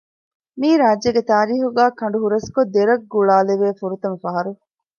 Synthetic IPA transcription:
miːɾaːd͡ʒeɡet̪aːɾiːɦuɡæːkɐɳ̆ɖuɦuɾɐskod̪ːeɾɐɡːuɭaːleʋeːfuɾut̪ɐmɐfɐɦɐɾu

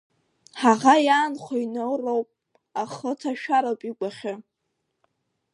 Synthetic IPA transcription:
ħaʁajaːnχʷainolrowpʼ | aχətʰaʃᶣaɾowpʼiɡʷaχʲɪ

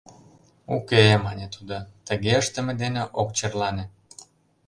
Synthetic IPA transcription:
ukemɑnʲet̪ud̪ot̪əɣeəʃt̪ə̆mĕd̪eneʔok̚t͡ɕerlɑne

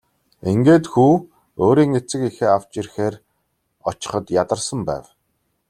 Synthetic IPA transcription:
eŋɡeːt̪xuː | oːɾiːŋet͡sɘ̆kixeːaw̥t͡ɕirxeːr | ɔt͡ɕɪ̥̆χə̆t̪jat̪ə̆rsə̆mpæ̰ːw

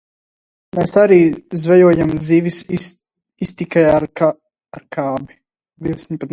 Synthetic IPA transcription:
meːsaɾiːzvɛjuɔjamzivis | ist̪ikaja | aɾkʰaːbi | d̪iwd̪sʲɲpat̪

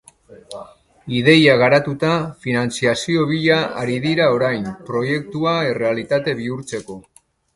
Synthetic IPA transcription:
ið̞e̞jaɣaɾat̪ut̪afinant͡siasio̞β̞iʎaʔaɾiðiɾao̞ɾajnpɾo̞je̞k̚t̪uae̞re̞alit̪at̪e̞βiuɾt͡se̞ko̞

